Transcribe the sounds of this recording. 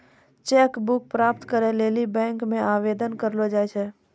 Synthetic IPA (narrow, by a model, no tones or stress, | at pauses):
t͡ʃekbʊk̚pɾaːpt̪kəɾeleːlibɛ̃ːŋkmẽaːʋed̪ənkəɾlod͡ʒajt͡ʃʰɛ